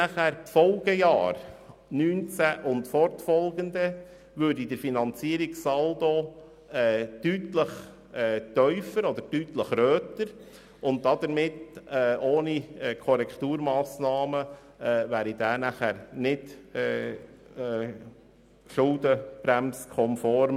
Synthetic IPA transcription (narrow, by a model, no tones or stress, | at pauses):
næχæːɾpfɔlˠɡ̥əjɑ̰ːɾnyːnt͡sæʔʊntfɔɾtfɔlɡənd̪ə | ʋøːɾdidəɾfinɑnt͡siəɾiksɑld̪o | ɛtytləχ | ɛːtœʏfəɾɔd̪əɾdyːtləχɾøːtəɾ | ʊnt̚dɑd̥̪əɾmɪtɛːʔoːniɛkʰɔɾɛkt̪uːɾmɑːsnɑːmə | ɛvæːɾid̥æːnæχæɾnɪd̥ɛː | ɛ | ʃʊld̪əb̥ɾæmskʰɔmfɔɾm